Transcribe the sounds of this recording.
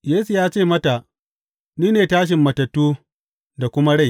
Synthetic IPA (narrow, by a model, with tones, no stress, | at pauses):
jeː˦su˨jaː˦t͡ʃeː˦˨mɐ˦ta˨ | niː˦neː˨taː˦ʃ̬ɪ˨mːɐ˨tɐ˨tːuː˦ | da˨kʷʊ˦ma˦ɽa˦j